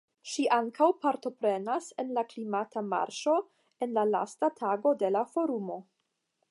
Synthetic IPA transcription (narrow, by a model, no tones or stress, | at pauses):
ʃiʔaŋkʰawpaɾto̞pɾe̞nasenlaklimatʰama̰ɾʃo̞ | e̞nlala̰statʰaɡo̞de̞lafo̞ɾumo̞